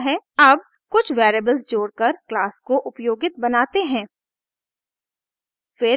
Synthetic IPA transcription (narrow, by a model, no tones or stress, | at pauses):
ɦɛɐb̚ | kʊt͡ʃʰʋeːɾebəlzd͡ʒoːɽkɐɾklaːskoʔʊpjoːɡɪt̪̚bɐnaːt̪eɦɛ̃ː | fɪ